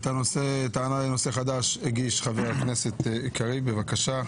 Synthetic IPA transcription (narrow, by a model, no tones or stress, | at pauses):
t̪ano̞set̪aːnaleno̞seχad̪aʃheɡiʃχavehaknese̞t̪ikaʁibevakaʃa